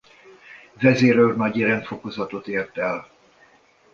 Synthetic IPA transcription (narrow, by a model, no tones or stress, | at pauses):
vɛzeːɾørnɒɟiɾɛnt̪fo̞ko̞zɒt̪o̞t̪eːrt̪ɛl